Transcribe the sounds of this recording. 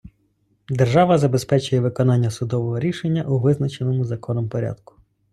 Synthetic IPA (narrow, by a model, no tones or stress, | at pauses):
d̪erʒɑʋɐzɐbe̞spɛt͡ʃʊjɛʋɪkɔnɑnʲːɐsʊd̪ɔʋɔɦɔɾʲiʃenʲːɐʔuʋɪznɐt͡ʃenɔmʊzɐkɔnɔmpɔɾʲa̰d̪̚kʊ̥